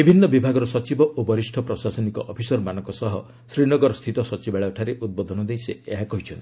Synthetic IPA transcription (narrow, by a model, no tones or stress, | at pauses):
bibʱinːɔbibʱaɡɔɾɔsɔt͡ʃibɔʔobɔɾisʈʰɔpɾɔsasɔnikɔʔɔpʰisɔɾmanɔŋkɔsɔɦɔ | sɾinɔɡɔɾɔst̪ʰit̪ɔsɔt͡ʃibaɭaʈʰaɾeʔud̪̚bod̪ʱɔnɔd̪ejseeɦakɔɦit͡ʃʰɔnt̪i